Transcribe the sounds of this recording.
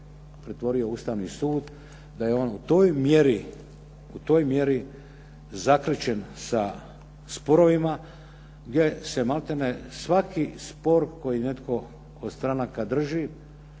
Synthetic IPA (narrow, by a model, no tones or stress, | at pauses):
pɾet̪ʋo̞ɾio̞ust̪aʋnisuːd̪ | d̪ajeo̞nut̪o̞ːjmjeɾi | ut̪o̞ːjmje̞ɾi | zakɾet͡ɕensa | spo̞ɾo̞ʋima | ɡdʲje̞se̞malt̪enesʋakispo̞ɾko̞jine̞t̪ko̞ | od̪st̪ɾanakad̪r̩ʒi